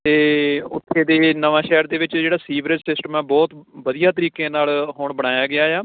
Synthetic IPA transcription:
t̪eːʊt̪ʰːeːd̪eːnəʋãːʃɛːɾd̪eːʋɪt͡ʃd͡ʒeːɽaːsiːʋɾɪʈsɪsʈəmɛːbɔːt̪ʋəd̪ijaːt̪əɾiːkẽːnaːlɦoːɳbəɽ̃aːjaːɡɪaːjaː

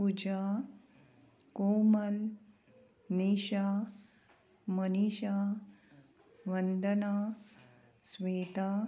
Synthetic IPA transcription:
ud͡ʑaː | koːməl | niːɕaː | məniːɕaː | ʋənd̪ənaː | sʋeːt̪aː

